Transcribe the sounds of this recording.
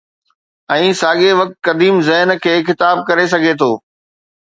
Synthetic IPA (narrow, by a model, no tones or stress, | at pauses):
ɛ̃ːsaːɠeʋɐk̚t̪̚kɐd̪iːmzɛɦnkʰeːxɪt̪aːb̚kɐɾes̬ɐɡʱet̪ʰoː